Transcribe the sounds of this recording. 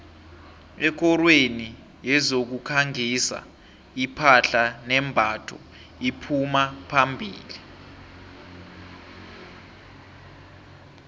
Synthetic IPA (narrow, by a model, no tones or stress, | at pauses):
ɛk̬ɔrweni | jɛzok̬ukʰaŋisa̰ | ipʰaɬanɛmbʱatʰɔ | ipʰumapʰambʱiːli